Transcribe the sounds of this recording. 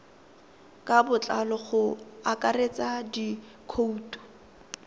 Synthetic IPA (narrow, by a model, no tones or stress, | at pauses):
kʼabʊt͡ɬʼalɔχʊakʼaret͡sʼadi | kʰouːtʰʼɔ̥